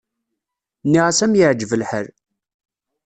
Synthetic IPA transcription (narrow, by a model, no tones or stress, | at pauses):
nːiʁasæmjəʕd͡ʒvəlħəɾ